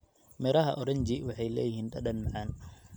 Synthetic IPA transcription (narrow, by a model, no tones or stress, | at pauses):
mɛɾɐɦɐʔɔɽɐɲd͡ʒiwɑħɑjlɛ̰ːjɪhiːnɗɐɗɐnmɑʕɑːn